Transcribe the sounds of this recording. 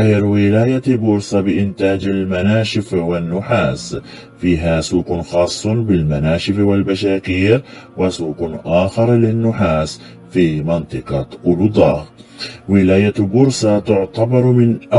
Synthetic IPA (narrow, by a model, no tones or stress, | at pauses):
hɪɾwɪlaːjabʊɾsɑbɪʔɪnt̪aːd͡ʒalmanaːʃɪfwanːʊħaːs | fiːɦasuːqʊnxɑːsˤːʊbɪlmanaːʃɪfwɪlbaʃaːkiːɾwɪsuːqnʔaːxɑɾˤlɪnːʊħaːs | fiːmɑnt̪ˤɨqɑʔʊlʊd̪ˤɑːɣwɪlaːjabʊɾsɑt̪ʊʕt̪ɑbɑɾˤmɪnʔa